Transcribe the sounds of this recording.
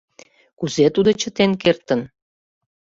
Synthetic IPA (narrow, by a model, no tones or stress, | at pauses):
kuzet̪ud̪ot͡ɕə̆t̪enkert̪ə̆n